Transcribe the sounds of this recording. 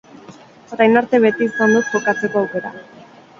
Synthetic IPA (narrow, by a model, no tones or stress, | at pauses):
ɾajnaɾt̪e̞βe̞t̪iːsand̪ut̪̚tokat͡se̞ko̞awke̞ɾa̰